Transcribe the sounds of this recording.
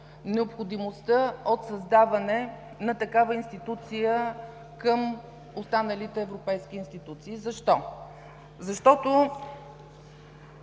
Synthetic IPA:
nɛopxod̪imost̪əot̪sɐzd̪avɐnɛ | nɐt̪ɐkavəinst̪it̪ut̪sijə | kəm | ost̪anəlit̪ɛːvɾopɛjsk̟ʲiːnst̪it̪ut̪siːzɐʃt̪ɔ | zɐʃt̪ɔt̪o

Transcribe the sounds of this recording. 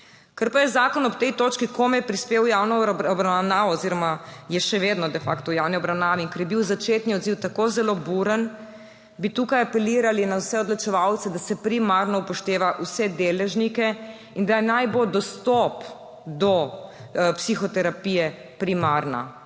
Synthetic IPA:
kəɾpajɛzaːkɔnɔpt̪ɛjt̪oːt͡ʃkikomjɛpɾispeːwjawnɔbɾawnaːʋɔːziɾɔmajɛʃɛʋeːd̪nɔd̪ɛfa̰kt̪ɔujawniɔbɾawnaːʋiiŋkɐɾjɛbiwzat͡ʃeːt̪niɔd̪ziwt̪akozɛlobuɾən | bit̪uːkajapɛliːɾalinawsɛɔd̪lɔt͡ʃɛʋawt̪sɛd̪asɛpɾimaɾnɔpɔʃt̪eːʋaʔusɛd̪eːlɛʒnikɛ | ind̪ajɛnajbod̪ɔst̪ɔp | d̪ɔ | psixɔt̪ɛɾapijɛ | pɾimaɾna̰

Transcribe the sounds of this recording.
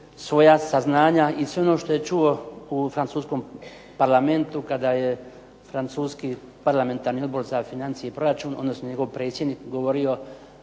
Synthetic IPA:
sʋo̞jasaznaːɲaisʋeo̞no̞ːʃt̪o̞je̞t͡ʃuo̞ufɾant̪suːsko̞m | paɾlˠame̞nt̪ukad̪aːje | fɾant̪suːski | paɾlˠame̞nt̪aːɾnio̞d̪̚bo̞ɾzafinant̪sijeipɾo̞ɾat͡ʃuːno̰d̪nosnoɲeɡoʋpɾe̞ːt̪sʲjed̪nikɡo̞ʋo̞ɾio̞

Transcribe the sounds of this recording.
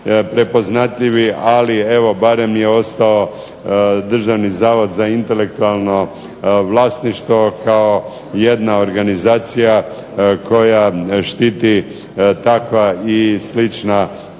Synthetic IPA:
pɾe̞po̞znat̪ʎiʋialie̞ʋo̞baɾe̞mje̞o̞st̪ao̞ | d̪r̩ʒaʋnizaːʋo̞d̪zaint̪e̞le̞k̚t̪ualˠno̞ | ʋlˠaːst̪niʃt̪ʋo̞kao̞ | je̞d̪nao̞ɾɡanizaːt̪sija | ko̞jaʃt̪it̪i | t̪akʋaislit͡ʃna

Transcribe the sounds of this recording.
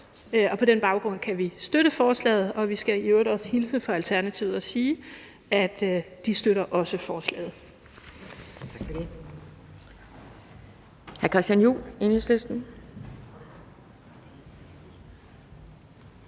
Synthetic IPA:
ɒ̽pʰɒ̽d̥enb̥ɑ̈ʊɡ̥ʁɔ̽n̰kʰæʋisd̥øɾəfɒːslɛ̰ːð̩ˠɒ̽ʋisɡ̥æjøɾɒshilsəfɒ̽ælt͡sʰæɐnæt͡sʰiʊð̩ˠɒ̽siː | æd̥d̥isd̥øɾɐʔɒ̽səfɒːslɛ̰ːð̞̩ˠ | t͡sʰɡ̥fd̥e | hæɐkʰʁisd̥ænjṵːleneslesd̥n̩

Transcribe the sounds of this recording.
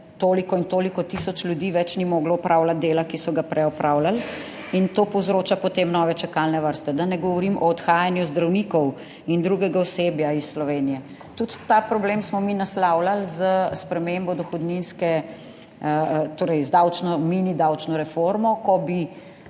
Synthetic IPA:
t̪oːlikɔint̪oːlikɔt̪isɔt͡ʃlʲjud̪iːʋɛt͡ʃnimɔːɡlɔɔpɾʔawlat̪̚d̪eːlakisɔɡapɾʔɛɔpɾʔaːwlal | int̪oːpɔwzɾoːt͡ʃapɔt̪eːmnɔːʋɛt͡ʃɛkalnɛʋəɾst̪ɛd̪anɛɡɔʋɔɾimʔɔːt̪xaːjanjuzd̪ɾawniːkɔw | ind̪ɾuɡɛɡaɔseːbjaisːlɔʋeːnijɛ | t̪ut̪ːapɾɔbleːmsmɔminaslawlalzəspɾɛmembɔd̪ɔxɔd̪ninskɛ | t̪oːɾɛjzd̪awt͡ʃnɔminid̪awt͡ʃnɔɾɛfoɾmɔkɔbi

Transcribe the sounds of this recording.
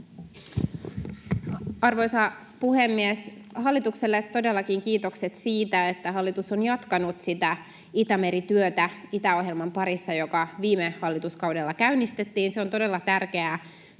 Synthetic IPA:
ɑrʋo̞jsɑ | puhe̞mːies | hɑlːit̪ukselːet̪ːo̞delːɑkiŋkiːt̪o̞kset̪siːt̪æet̪ːæɦɑlːit̪uso̞njɑt̪kɑnut̪sit̪æ | it̪æmeɾit̪yøt̪æit̪æo̞hɦjelmɑmpɑɾisːɑjo̞kɑʋiːmehɑlːit̪uskɑwdelːɑkæynːist̪e̞t̪ːiːnseo̞nt̪o̞de̞lːɑt̪ærk̟e̞æ

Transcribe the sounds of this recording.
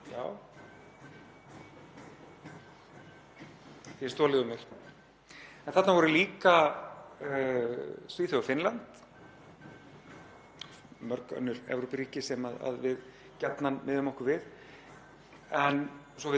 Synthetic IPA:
ja̰ːw | θjɛst̪ɔːlɪɣʏmɛɾ̥ | ɛnθat̪navɔɾʏliːka | sviːθʏɣafɪnlant̪ | mœɾkœ̰nːʏɾɛ̰vɾɔpriːcɪsɛmaða̰ðvɪð | cat̪nanmɪðʏmɔhkʏɾvɪð | ɛn | sɔvɪ

